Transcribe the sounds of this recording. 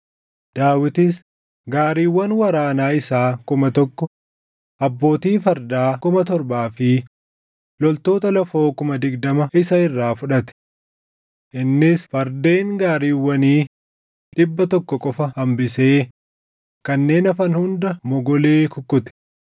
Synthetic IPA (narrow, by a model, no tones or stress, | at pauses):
d̪̥aːwɪt̪ɪs | ɡaːɾiːwːɐnwɐɾaːnaːɪsaːkʊmɐt̪ɔkːɔ | ʔɐbːo̞ːt̪iːfɐɾd̪aːkʊmɐt̪ɔɾbaːfɪ | lɔlt̪o̞ːt̪ɐlɐfo̞ːkʊmɐd̪ɪɡd̪ɐmɐʔɪsɐɪrːaːfʊᶑɐt̪ɛ̥ | ʔɪnːɪsfɐɾd̪e̞ːŋɡaːɾiːwːɐniː | ᶑɪbːɐt̪ɔkːɔkʼɔfɐhɐmbɪse̞ː | kɐnːe̞ːnɐfɐnhʊnd̪ɐmɔɡɔleːkʊkʼːʊt̪ɛ̥